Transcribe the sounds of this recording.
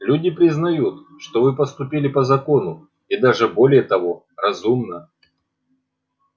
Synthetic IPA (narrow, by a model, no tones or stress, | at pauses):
lʲudʲɪpɾʲɪznɐjut̪ | ʂt̪ovɨpəst̪ʊpʲilʲɪpəzɐko̞nʊ | id̪aʐɨbo̞lʲɪjət̪ɐvo̞ | rɐzumnə